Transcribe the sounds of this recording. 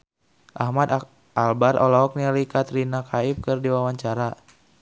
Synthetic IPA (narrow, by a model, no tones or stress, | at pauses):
ʔahmad̪ | albarʔɔlɔɔk̚nialikat̪ɾinakʰaip̚kɨrdiwawaɲt͡ʃaɾa